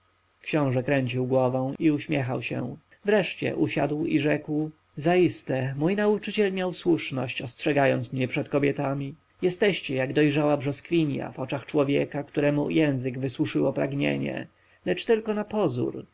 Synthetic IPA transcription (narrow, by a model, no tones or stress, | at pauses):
kɕɔ̃w̃ʐɛkɾɛɲt͡ɕiwɡwɔvɔ̃w̃iuɕmʲjɛxawɕɛ̰ | vɾɛʂt͡ɕɛ̰ʔuɕad̪wiʐɛkw | zaist̪ɛmujnaut͡ʂɘt͡ɕɛlmʲjawswuʂnɔɕt͡ɕɔstʂɛɡajɔnt̪smɲɛpʂɛt̪kɔbʲjɛt̪amʲi | jɛst̪ɛɕt͡ɕɛjaɡd̪ɔjʐawabʐɔskfʲiɲja̰vɔt͡ʂaxt͡ʂwɔvʲjɛkakt̪uɾɛmujɛ̃w̃zɘɡvɘswuʂɘwɔpɾaɡɲḛɲɛ̰ | lɛt͡ʂt̪ɘlkɔnapɔzṵɾ